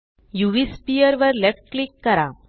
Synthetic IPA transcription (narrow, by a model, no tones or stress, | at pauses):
juʋispijəɾʋəɾlɛʈ̚klikːəɾa